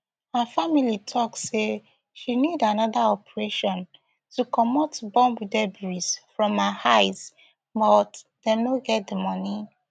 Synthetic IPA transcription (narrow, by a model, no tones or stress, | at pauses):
hafamilitʰɔksse | ʃinidanɔðaɔpəɹeʃɔ̃n | tukɔmɔtbɔ̃mudɛbuɹisfɹɔ̃mahaɪs | bɔt | dɛ̃mnoɡɛt̚dəmɔni